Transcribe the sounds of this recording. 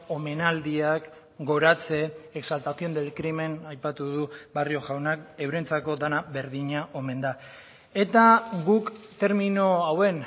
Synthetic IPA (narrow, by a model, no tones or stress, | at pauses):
o̞me̞nald̪iak | ɡo̞ɾat͡se̞ːksalt̪aθio̞nd̪elkɾime̞najpat̪uðubario̞ʝawnake̞wɾe̞nt͡sako̞d̪anabe̞ɾðiɲaʔo̞me̞nd̪a | e̞t̪aɡukt̪e̞ɾminoawe̞n